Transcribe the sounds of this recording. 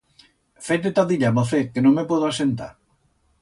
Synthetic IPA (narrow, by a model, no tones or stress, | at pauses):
fet̪̬et̪aðiʎaβoθekenõŋmepoðasent̪a̰ɾ